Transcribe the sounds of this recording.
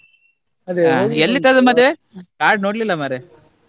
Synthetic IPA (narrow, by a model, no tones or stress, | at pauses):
ɐd̪eelːit̪ad̪ɐmɐd̪e | kaːɾɖnoːɽlilːɐmɐɾe